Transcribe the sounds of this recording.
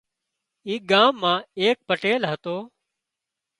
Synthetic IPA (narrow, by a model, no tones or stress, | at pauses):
iːɡaːmːãːeːk̚pəʈeːlɦət̪oː